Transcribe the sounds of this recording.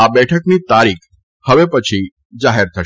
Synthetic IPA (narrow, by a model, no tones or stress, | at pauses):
abɛʈʰəknit̪aɾikʰ | həʋepət͡ʃʰi | d͡ʒaɦeɾt̪ʰəʃ